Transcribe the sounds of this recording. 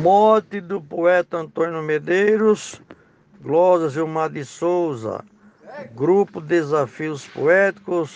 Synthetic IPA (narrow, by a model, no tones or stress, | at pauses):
mɔt̪ɪd̪ʊpoɛt̪ɐɐ̃nt̪õnjʊmed̪ejɾʊs | ɡlɔʒɐziwmad̪ɪsowzɐ̰ | ɡɾupʊd̪ezafiʊspo̰ɛt̪i̥kʊs